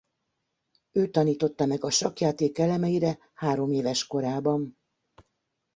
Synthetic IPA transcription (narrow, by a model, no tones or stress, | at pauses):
øːt̪ɒniːt̪o̞t̪ːɒmɛɡɒʃɒkjaːt̪eːkɛlɛmɛjiɾɛ | haːɾo̞meːvɛʃko̞ɾaːbɒm